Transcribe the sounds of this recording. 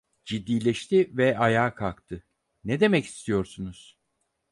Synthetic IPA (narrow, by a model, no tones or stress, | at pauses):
d͡ʒid̪ːiːlʲɛʃt̪ʰivɛʔajaːkʰalˠkt̪ʰɯ | ned̪e̞mɛci̥st̪ʰijo̞ɾsunuz̥